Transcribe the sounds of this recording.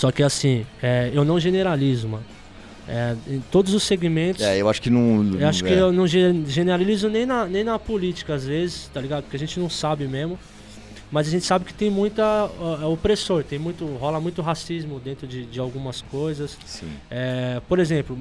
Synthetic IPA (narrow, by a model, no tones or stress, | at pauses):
sɔkɪasĩɛewnɐ̃w̃ʒeneɾalizʊmɐ̃n | ɛẽt̪od̪ʊzʊseɡimẽnt̪ʊɛewaʃʊ̥kɪnɐ̃w̃ewaʃʊkɪewnɐ̃w̃ʒeʒeneɾalizʊnẽj̃nɐnẽj̃nɐpolit͡ʃi̥kɐazvezɪst̪aliɡad̪pʊ̥ɾkeaʒẽnt͡ʃɪnɐ̃w̃sabɪmezmʊ | mɐzaɐʒẽnt͡ʃɪ̥sabɪkɪ̥t̪ẽj̃mũj̃t̪ɐɛopɾesoɾt̪ẽj̃mũj̃t̪ʊɦɔlɐmũj̃t̪ʊɦasizmʊd̪ẽnt̪ɾʊd͡ʒɪd͡ʒɪawɡũmɐskojzɐs | sḭ̃ɛpoɾezẽplʊ